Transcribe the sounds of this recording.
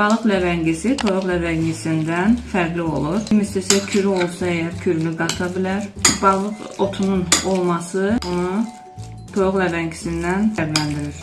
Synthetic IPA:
b̥ɑlˠɯqlævæɲɟisit̪ʰojoɣlævæɲɟisind̪ænfæɾɡ̪lio̞̰lˠuɾmist̪esæcʰyɾyo̞lˠsɑɛjɑɾcʰyɾylyɡɑt̪ʰɑbilæɾbɑlˠɯq | o̞t̪ʰununo̞lˠmɑsɯonu | t̪ʰojoʁlævæɲɟisind̪ænfæɾɡ̪lænd̪iɾiɾ

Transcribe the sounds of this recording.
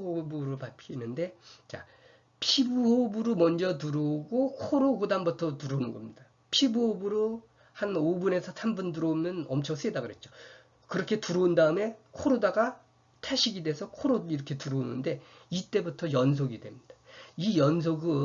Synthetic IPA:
obɯɾɯɭpapkʰinɯnde̞t͡ɕa̰ | pʰibuobuɾumʌnd͡ʑʌt̬uɾoɡokʰoɾoɡudambutʰʌtuɾonɯnɡʌmɲid̥a | pʰibuobɯɾo | hanobune̞sʰʌsʰambunduɾoumjʌnʌmt͡ɕʰʌŋs͈ɯidaɡɯɾe̞t̚t͡ɕ͈o | kɯɾʌkʰe̞tuɾoundaɯme̞kʰoɾodaɡa | tʰaɕʰiɡideesʰʌkʰoɾodiɾʌkʰe̞tuɾounɯnde̞ | it͈e̞butʰʌjʌnsʰoɡidwe̞mɲid̥ḁijʌns̬ʰoɡɯ

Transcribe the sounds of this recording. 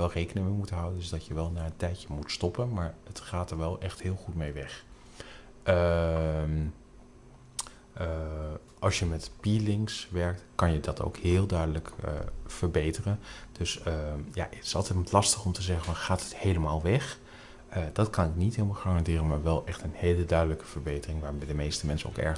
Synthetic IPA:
ʋɛlˠrejkənɪŋmejmutənɦɑwdəndɪzdɑtjəʋɛlˠnaːəntɛjcəmutstɔpənmaːɹətχaːtəɹʋɛlˠʔɛχtɦɪːlˠχutmejʋɛχ | ʔəm | ə | ʔɑlˠsjəmɛtpilɪŋksʋɛɹk̚tkɑnjədɑtʰo̰wkhɪːlˠdœɥdələkə̰v̥əɹbejtərənd̥ɵsəja̰ʔɪtɪ̥sɑlˠtɛjtmtlɑstəχɔmtəzɛχənvɑnχaːtəthejləmaːlˠʋɛχ | əd̥ɑtkɑnɪknitɦɪːlˠmaχaːrɑndɪːrənmaːɹʋɛlˠʔɛχtənhejlədœɥdələkəv̥əɹbejtərɪŋʋaːɹmejdəmejstəmɛnsəo̰wkɛ̰ɹ

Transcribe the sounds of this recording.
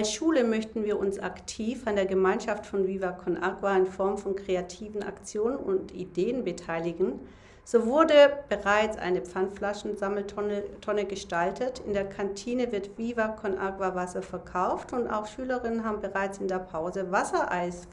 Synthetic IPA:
ʔalsʃuːləmœçtn̩viːɐʔʊnsa̰ktʰiːfandeːɐɡəmaɪnʃaftfɔnviːvakʰɔnʔakvaɪnfɔɐmfɔnkʁ̥eatʰiːvn̩a̰kt͡sjoːnənʊntḭdeːənbətʰaɪlɪɡn̩ | z̥oːvʊɐdəb̥əʁaɪt͡sʔa̰ɪnəp͡ffanflaʃn̩aml̩ʰtʰɔnəɡəʃtaltʰətʰɪndeːɐkʰantʰiːnəvɪɐtviːvakʰɔnʔa̰kvavasɐfɛɐkʰaʊftʊnta̰ʊxʃyːləʁɪnənɦaːbm̩bəʁaɪt͡sɪndeːɐpʰaʊzəvasɐʔaɪs

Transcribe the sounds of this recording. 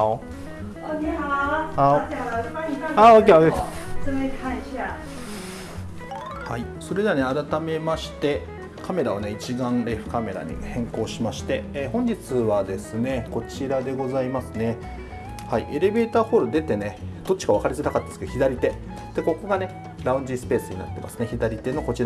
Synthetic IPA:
a | aokeoke | hai | so̞ɾe̞d̪e̞ane̞aɾat̪ame̞maɕi̥t̪e̞ | kʰame̞ɾaoneit͡ɕiɡãnɾeɸɯ̟̥kame̞ɾa̰ɲ̟ḭhẽ̞ŋko̞ːɕimaɕi̥t̪e̞ːhõ̞ɲ̟d͡ʑit͡sɨβad̪e̞sɨne̞ko̞t͡ɕiɾad̪e̞ɡo̞zaimasɨne̞ | haiʔe̞ɾe̞be̞ːt̪aːho̞ːɾɯ̟d̪e̞t̪e̞ne̞d̪̥o̞tt͡ɕːi̥kaβakaɾʲizɨnakat̪ːad̪esɨ̥kçʲid̪aɾʲit̪e̞ | d̪̥eko̞ko̞ɡane̞ | ɾaɯ̟̃ɲ̟d͡ʑisɨ̥pe̞ːsɨɲ̟ina̰t̪ːe̞mʔa̰sɨ̥ne̞çid̪aɾʲit̪e̞no̞ko̞t͡ɕiɾa

